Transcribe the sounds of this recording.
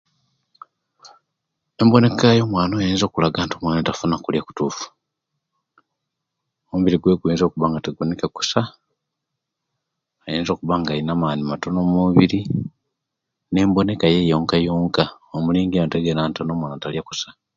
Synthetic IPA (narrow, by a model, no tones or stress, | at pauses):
e̞mbo̞ne̞kajo̞ːmwaːnoːjeːnzo̞ːkulaɡaːntomwaːnotafunakuljaku̥tuːfu̥ | omuβiɾiɡweːɡweːnzo̞ːkuβaːŋɡateɡunekeku̥sa | ajeːnzo̞ːkuβaŋɡainamaːnimato̞nomuβiɾi | ne̞ːmbo̞ne̞kajejo̞ːŋkajoːŋka | omuliːŋɡioteɡeɾaːntono̞ːmwaːnotaljaku̥sḁ